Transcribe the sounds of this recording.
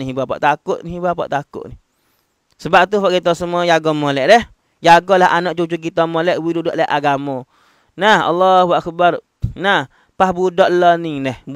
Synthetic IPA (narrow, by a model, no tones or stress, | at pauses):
iɦibapa̰ʔt̪akʊʔ̪̚niɦibapa̰ʔt̪akʊ̰ʔni | səbap̚t̪ufaʔkit̪ɔsəmuɔjaɡɔmolɛʔdɛh | jaɡɔlahanɔʔt͡ʃut͡ʃukit̪ɔmolɛʔwidudɔʔlahʔaɡamɔ | naha̰lːɔhuwaʔkəbar | nah | pahbudɔʔlɔnidɛh